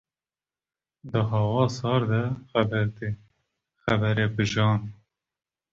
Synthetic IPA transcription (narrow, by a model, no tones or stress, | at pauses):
d̪əɦɑːwɑːsɑːɾd̪ɛxæbɛɾt̪e | xæbɛɾeːbɨʒɑːn